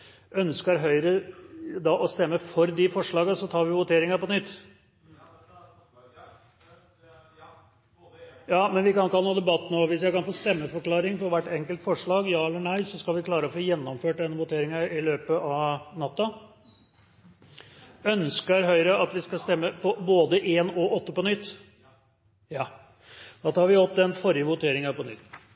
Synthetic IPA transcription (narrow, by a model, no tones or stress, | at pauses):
œnskəɾɦœʏɾəd̪ɑʔɔst̪ɛmːəfɔɾd̪ɪfɔʂɭɑːɡəsɔt̪ʰɑːɾʋɪʋʊt̪ʰeːɾɪŋɑpɔnʏt̪ː | jɑːmɛnʋɪkɑnkɑlːəoːd̪ɛbɑt̪ːnoːʋɪsjæɪkɑnfoːst̪ɛmːəfɔɾkʰlɑːɾɪŋfɔɾʋæʈːɛŋkəlt̪fɔʂɭɑːɡjɑːɛlːəɳæɪsɔskɑlʋɪkʰlɑːɾəɔfoːjɛnːɔmføːʈ̚d̪ɛnːəʋʊt̪ʰeːɾɪŋəɪløːpəɑʋnɑt̪ːɑ | œnskəɾɦœʏɾəɑt̪ʋɪskɑst̪ɛmːəpɔboːd̪əʔeːnɔʔɔt̪ːəpɔnʏt̪ː | j | d̪̥ɑːt̪ʰɑːɾʋɪhɔp̪̚ːd̪ɛnfɔɾɪəʋʊt̪ʰeːɾɪŋɑpɔnʏ̰t̪ː